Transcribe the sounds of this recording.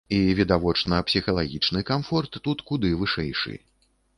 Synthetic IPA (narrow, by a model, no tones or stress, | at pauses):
ivʲid̪avɔt͡ʂnɐpsʲixɐlˠaɣʲit͡ʂnɨkamfɔrt̪ːut̪kud̪ɨvɨʂɛjʂɨ̰